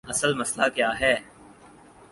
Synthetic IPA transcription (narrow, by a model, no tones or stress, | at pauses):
ɐsəlmɐslakjaːɦɛː